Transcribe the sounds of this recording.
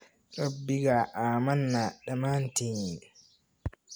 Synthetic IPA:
ɾabːiɡaʔaːmanːaɗamanteɲi

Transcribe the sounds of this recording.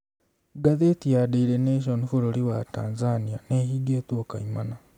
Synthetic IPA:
ɡaðetijadeiɾeneʃ̬onifuɾoɾiwataːnzanianehiɡet̪oka̰imana

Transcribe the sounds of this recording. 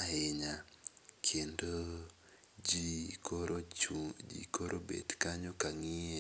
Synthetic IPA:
aeɲa | kʰendo | d͡ʒḭkoɾʔobḛdkaɲokaŋie

